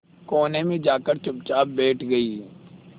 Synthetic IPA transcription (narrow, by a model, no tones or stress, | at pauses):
koːnẽmẽd͡ʒaːkəɾt͡ʃʊb̚t͡ʃaːbɛːʈʰɡɐiː